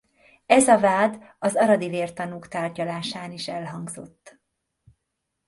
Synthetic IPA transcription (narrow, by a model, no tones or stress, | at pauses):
ɛzɒvaːd̪ | ɒzɒɾɒd̪iveːrt̪ɒnuːkt̪aːrɟɒlaːʃaːniʃɛlɦɒŋɡzo̞t̪ː